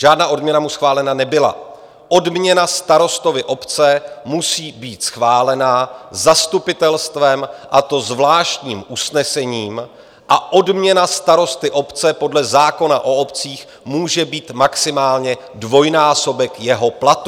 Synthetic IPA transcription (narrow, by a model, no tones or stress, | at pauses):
ʒ̥aːdnaːʔo̞dmɲɛnamusxvaːlɛnanɛbɪla̰ | ʔo̞dmɲɛnast̪aɾo̞st̪o̞vɪʔo̞pt͡sɛmusiːbiːt̪sxvaːlɛnazast̪upɪt̪ɛlst̪vɛmʔat̪o̞zvlaːʃt̪ɲiːmʔusnɛsɛɲiːm | ʔaʔo̞dmɲɛnast̪aɾo̞st̪ɪʔo̞pt͡sɛpo̞dlɛzaːko̞naʔo̞o̞pt͡siːx | muːʒɛbiːt̪maksɪmaːlɲɛ | dvo̞jnaːso̞bɛkjɛɦo̞plat̪u